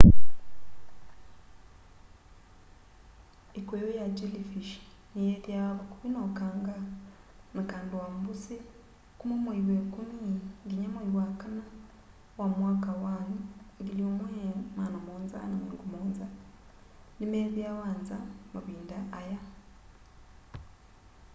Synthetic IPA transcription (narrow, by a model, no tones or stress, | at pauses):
ekwejojaɟelifiʃi̥ | nijeβjaβakuβinokaːŋɡa | nakaːndiwambuse | kumumweiwekumiŋɡiɲamaiwakana | wamwaːkawaːniŋɡiljomwemanamoːnza̰nameŋɡumoːnza | nimeβjaːwaːnzamuβiːndaʔːja